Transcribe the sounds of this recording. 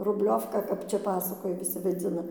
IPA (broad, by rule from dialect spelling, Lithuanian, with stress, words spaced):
rʊbʲˈlʲoːwkɐ ˈkɐp ˈt͡ʃʲɛ ˈpɑːsɐkoːjɛ ʋʲɪˈsʲɪ ʋɐˈd͡zʲɪnɐ